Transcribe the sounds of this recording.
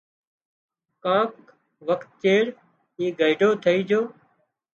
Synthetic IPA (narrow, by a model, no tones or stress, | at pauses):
kãːk | ʋəkt̪̚t͡ʃeːɽ | ɦiːɡəɪɖʱoːt̪ʰəiːd͡ʒoː